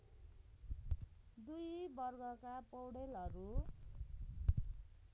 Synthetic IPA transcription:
d̪ujbʌrɡʌkapowɽelʌɾu

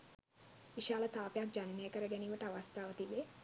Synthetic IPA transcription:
ʋiʃaːlət̪aːpejak̚d͡ʒaninejəkəɾəɡæniːʋəʈəaʋast̪aːʋət̪ibe

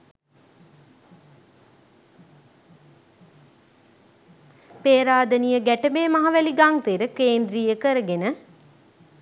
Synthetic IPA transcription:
peːɾaːd̪ənijəɡæʈəbeːmaɦɐʋæliɡaŋt̪eɾəkeːnd̪ɾiːjəkəɾəɡenə

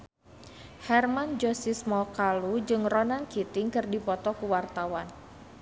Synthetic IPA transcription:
hɛrmand͡ʒɔsismɔkalud͡ʒɨŋrɔnankit̪ɪŋkɨrdipɔt̪ɔkuwart̪awan

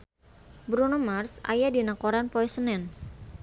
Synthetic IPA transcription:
bɾunomarsa̰jadinakoɾanpɔɛsənɛn

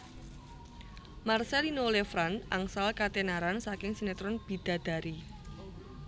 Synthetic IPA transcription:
marsɛlinolefɾanʔaŋsalkat̪enaɾansakɪŋsinet̪ɾʊnb̥i̤d̪̥a̤d̪̥a̤ɾi

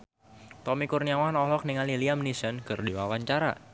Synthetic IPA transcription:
t̪ɔmikurniawanɔhlɔk̚niŋaliliamnisənkɨrdiwawaɲt͡ʃaɾa̰

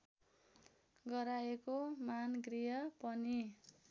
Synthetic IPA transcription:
ɡʌɾaekomanɡrijʌpʌni

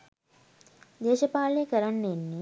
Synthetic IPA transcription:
d̪eːʃɐpaːɭnijɐkɐɾanːenːi

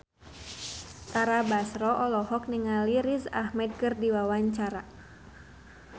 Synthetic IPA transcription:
t̪aɾabasɾɔʔɔlɔɦɔk̚niŋaliɾisahmɛd̪̚kɨrdiwawaɲt͡ʃaɾa

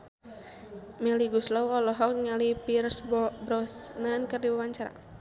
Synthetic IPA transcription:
mɛliɡuslawɔlɔɦɔk̚ɲalipirsbɾɔsnankərdiwawaɲt͡ʃaɾa̰

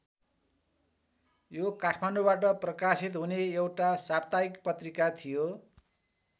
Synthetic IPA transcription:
jokaʈʰmanɖubaʈ̬ʌprʌkasit̪ɦuneewʈasab̚t̪aikpʌt̪rikat̪ʰijo

